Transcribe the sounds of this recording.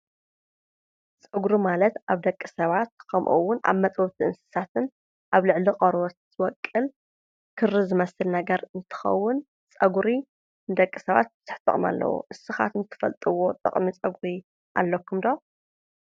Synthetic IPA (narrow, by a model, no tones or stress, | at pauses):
t͡sʼɐɡɾimalɐt̪aβd̪ɐkʼːisɐβat̪̚kʰɐmʔuwːʊna̰βmɐt̪ʼwɔt̪ʰiʔɨnsɨ̥sat̪ʰɨn | ʔaβlɨʕliqʼɐɾwot̪ | wɔkʼːɨl | kʰɨrizɨmɐsɨlnɐɡɐɾɨnt̪ʰɨ̥xɐ̰wːʊn | t͡sʼɐɡɾi | nɨd̪ɐkʼːisɐβa̰t̪̚zʰɨħt̪ʼɨ̰χʼma̰lːɐ̰wo̰ʔɨsɨxa̰t̪ɨnt̪ʰɨ̥fɐ̰lt̪ʼɨwo̞t̪ʼɨ̰χʼmit͡sʼɐɡɾi | ʔa̰lːɐkʰːumd̪o